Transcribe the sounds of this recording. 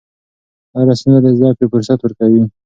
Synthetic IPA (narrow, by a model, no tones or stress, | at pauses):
d̪ɑɾasanad̪əzjɑpefʊɾsat̪wəɾkawi